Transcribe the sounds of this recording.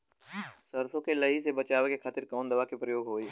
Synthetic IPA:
səɾsõkelɐɦisebət͡ʃaːʋekekʰaːt̪ɪɾkɔːnd̪ɐʋakipɾəjoːɡɦoːi

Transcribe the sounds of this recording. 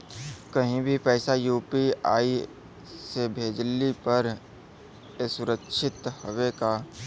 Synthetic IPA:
kɐɦĩbʱipɛːsajuːpiaːi | sebʱeːd͡ʒlipɐɾ | esʊɾəkʃʰɪt̪howeka

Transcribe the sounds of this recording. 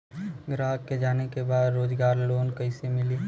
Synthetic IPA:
ɡɾaɦəkːed͡ʒaːnekebaːd̪ɾoːd͡ʒɡaːɾloːnkəɪsemɪli

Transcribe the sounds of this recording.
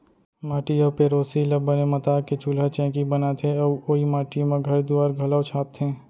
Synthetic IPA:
maːʈijɔ̃peːɾoːsilɐbːənemɐt̪aːket͡ʃuːlat͡ʃɛ̃ːkibɐnat̪ʰeɔːoimaːʈijmãɡʱɐɾd̪uaːɾɡʱɐlaːt͡ʃʰaːp̚t̪ʰẽː

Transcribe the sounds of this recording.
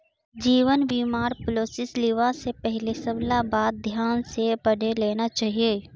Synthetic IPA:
d͡ʒiːʋənʋiːmaːɾpʊloːsɪsliʋasepɛɦlesɐblabaːd̪̚ːʱjaːnsebəɽeleːnat͡ʃaːɦieː

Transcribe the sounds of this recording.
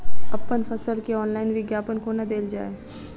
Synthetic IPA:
ɐpːənfʰɐsəlkeɔːnlaːɪnʋɪɡjaːpənkonɐd̪eːld͡ʒa̰ːeː

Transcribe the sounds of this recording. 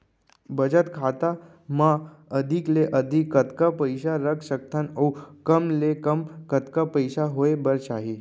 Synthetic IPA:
bəd͡ʑət̪kʰat̪a | ma | əd̪ʱikleʔəd̪ʱikːət̪kapəjɕaɾəkɕək̚t̪ʰanəwkəmlekəmkət̪kapəjɕaɦoebəɾt͡ɕaɦi

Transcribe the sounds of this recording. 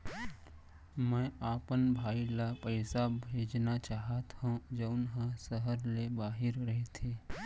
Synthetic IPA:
mɛ̃ːaːpənbʱaːilapəɪsabʱeːd͡ʒnat͡ʃaːɦat̪hũd͡ʒəʊnɦãsəɦəɾlebaːɦɪɾɾɐɦet̪ʰeː

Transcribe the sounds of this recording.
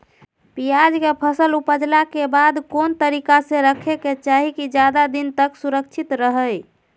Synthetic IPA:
pijad͡ʒkepʰəsəlupəd͡ʒlakebad̪kont̪əɾikasẽɾəkʰeket͡ʃaɦikid͡ʒjad̪ad̪int̪əksuɾək̚t͡ʃʰit̪ɾəɦəj

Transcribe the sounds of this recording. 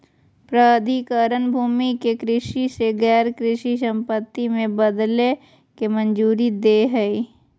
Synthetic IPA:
pɾəd̪ʱikəɾənbʱuːmikekɾɪʃiseɡɛːɾkɾɪʃis̬ə̃mpət̪ːimẽbəd̪le | kemənd͡ʒuːɾid̪eːɦɛi

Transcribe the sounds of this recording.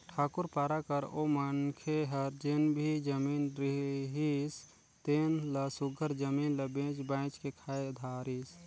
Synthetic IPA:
ʈʰaːkʊɾpaːɾakəɾomənkʰeɦɐɾd͡ʒenbʱid͡ʒəmiːnɾiɦis | t̪enləsʊɡʱəɾd͡ʒəminləbẽːt͡ʃbãːɪt͡ʃkekʰaːjd̪ʱaːɾiːs

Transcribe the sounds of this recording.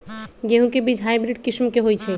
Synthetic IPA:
ɡeɦũkebid͡ʑʱɦajbɾiɖ̚kiʃmkeɦojt͡ɕʰe

